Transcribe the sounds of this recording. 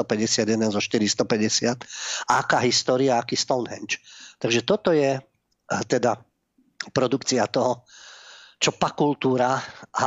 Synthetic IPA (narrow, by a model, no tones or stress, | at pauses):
ɔpɛɟɛsɪad̪jɛd̪ɛnzɔʃt̪iɾist̪ɔpɛɟɛsɪat̪aakaːɦist̪ɔːɾiaakiːst̪ɔʊnɦɛ̰nt͡ʃt̪aɡʒɛt̪ɔt̪ɔjɛ | t̪ɛd̪a | pɾɔd̪ukt͡sɪat̪ɔɦɔ | t͡ʃɔpakult̪uːɾaa